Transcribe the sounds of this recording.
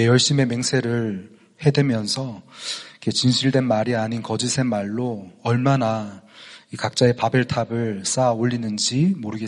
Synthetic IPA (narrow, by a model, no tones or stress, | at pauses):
ejʌɭɕ͈ime̞me̞ŋsʰe̞ɾɯɭ | he̞dwe̞mjʌnsʰʌikʰet͡ɕinɕʰiɭdwe̞nmaɾiaɲinkʌd͡ʑisʰe̞nmaɭːoʌɭmana | ikak̚t͡ɕ͈ae̞pabe̞ɭtʰabɯɭs͈aoʎːinɯnd͡ʑimoɾɯɡe